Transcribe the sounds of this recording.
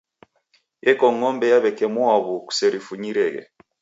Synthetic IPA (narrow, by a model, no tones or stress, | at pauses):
ɛkɔŋɔmbɛjaβɛkɛmɔaβuku̥sɛɾifuɲiɾɛɣɛ̰